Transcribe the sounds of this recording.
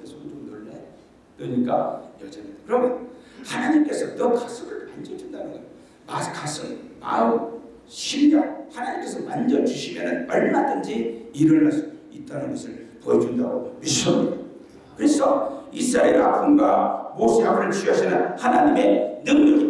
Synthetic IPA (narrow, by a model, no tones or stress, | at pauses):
esʰʌodonnʌɭːe | tʌɲik͈ajʌd͡ʑʌnidkɯɾʌmʌhanaɲimk͈e̞sʰʌnʌkasʰɯɡɯɭand͡ʑʌd͡ʑundanɯŋik | maskasʰɯɡma̰u | ɕʰimjʌŋ̚hanaɲimk͈e̞sʰʌmand͡ʑʌd͡ʑuɕʰimjʌnɯnʌɭmadɯnd͡ʑiiɾɯɭnasʰʌ̥itʰanenisʰɯɭpʌid͡ʑundaɡomisʌmida | kɯɾesʰʌisʰɾaeɾa̰pʰunɡwamosʰeamɯɾɯɭt͡ɕʰiʌsʰinɯnhanaɲime̞nɯŋɲʌɡi